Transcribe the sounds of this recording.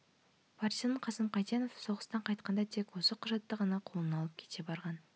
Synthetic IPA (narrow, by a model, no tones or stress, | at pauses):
pʰɑɾt̪ijɑnəɴqʰɑsəmqɑjt̪enofso̞ʁəst̪ɑɴqʰɑjt̪̚qɑnd̪ɑt̪ʰe̞kwo̞səqʰʊʒɑt̪ːəʁɑnɑqʰo̞lˠənɑlˠəp̚kʲʰe̥t̪e̞bɑɾʁɑn